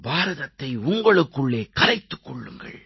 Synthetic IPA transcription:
baːɾɐðɐt̪ːɐɪʊŋɡɐɭɯkːɯɭːeːkɐɾɐɪt̪ːɯ̥kːɔɭːɯ̰ŋɡɐ̰ɭ

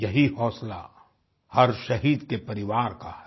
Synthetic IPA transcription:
jɐɦihɔːsla̰ | hɐɾʃɐɦiːd̪kepɐɾɪʋaːɾka̰ɦɛ

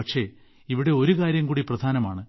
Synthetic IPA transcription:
ɐkʂe̞ | iʋiɽe̞o̞ɾukaːɾjɐmkuːɽiprɐd̪ʱaːnɐmaːɳɨ

